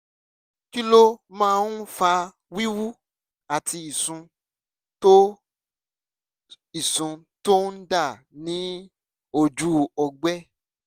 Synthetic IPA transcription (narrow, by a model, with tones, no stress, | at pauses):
ki˦lo˦mãː˦˧˦n˦fa˧ | wi˦wu˦ | a˨ti˧i˨sũ˧ | to˦ | i˨sũ˨˧ | to˦n̩˦da˦˨ | nĩ˦ | o˦˧d͡ʒu˦ɔ˧ɡ͡bɛ˦